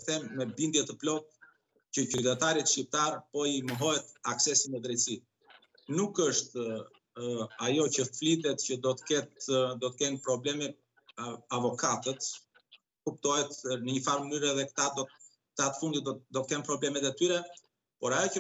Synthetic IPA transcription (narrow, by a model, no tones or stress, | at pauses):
θɛmːɛbind̪jɛt̪əplɔk̪̚ | cəcyt̪ɛt̪aɾit̪ʃcip̚t̪aɾpɔiməɦɔjɛt̪aksɛsimɛd̪ɾɛjt̪si | nukəʃt̪ | ajɔcəflit̪ɛt̪cəd̪ɔt̪ə̥kɛt̪d̪ɔt̪əkɛnpɾɔblɛmi | avɔkat̪ət̪ | kupt̪ɔhɛt̪nəɲəfaɾmənyɾɛðɛkt̪ad̪ | t̪at̪ə̥fund̪it̪d̪ɔt̪əkɛnpɾɔblɛmɛt̪ɛt̪yɾɛ | pɔɾajɔcə